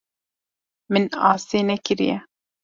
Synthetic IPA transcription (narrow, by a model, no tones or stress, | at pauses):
mɨnɑ̰ːseːnɛkɨɾḭjɛ̰